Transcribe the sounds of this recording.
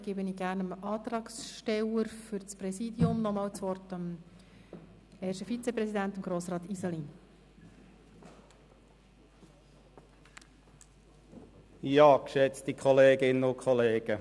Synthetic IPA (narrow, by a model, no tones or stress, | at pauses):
ɡ̥ebəniːɡæɾnəmɑːt̪rɑːksʃtɛləɾfʏɾt͡sprɛsiːdiʊmnɔmɑːwt͡sʋɔrtəm | ɛːʃəfit͡seprɛsidænt̪əmɡ̥ɾoːsrɑːt̪isɑlin | jɑːkʃɛt͡stikʰɔleːɡɪnənʊnkʰɔleːɡ̥ə